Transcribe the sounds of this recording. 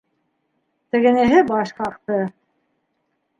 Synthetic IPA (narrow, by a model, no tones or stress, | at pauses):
t̪ɘ̆ɡɘ̆næɦɘbɑʃqɑqt̪ɤ